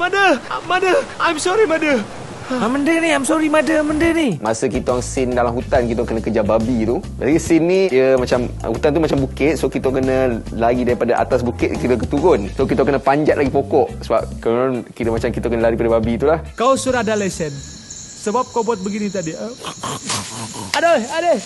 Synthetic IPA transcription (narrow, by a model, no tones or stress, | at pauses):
madəmadəajmsɔɾimãdə | aməndəniajmsɔɾimadəaməndənimasəkit̪aaŋsɪndalamɦut̪ankit̪okənə̃kəd͡ʒababit̪ubaɡisinːĩjəmat͡ʃam̰hut̪ant̪umat͡ʃambukɪt̪̚sokit̪okənə̃ | laɡidaɾipadaʔa̰t̪asbukɪt̪̚kit̪okət̪uɡʊnsokit̪okənəpaɲd͡ʒat̪ʔlaɡipokɔʔsəba̰p̚kənankit̪əmat͡ʃamkit̪okənəlaɾipadababit̪ulahkawsuɾahdalajsɛn | səbap̚kawbuat̪̚bəɡinit̪adiə | adaada